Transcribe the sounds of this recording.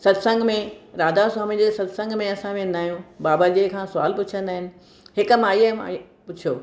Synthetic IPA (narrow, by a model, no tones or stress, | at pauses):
sɐd̪sə̃ŋɡʱmẽɾaːd̪aswaːmid͡ʑeːsɐd̪sə̃ŋɡmẽɐsãkʰẽnaːjũbaːbad͡ʑekʰãːsʊa̰ːlpʊt͡ɕʰə̃nd̪aːɦɪnɪ̆ | ɦɪkəmãːjəm̰ | pʊt͡ɕʰijoː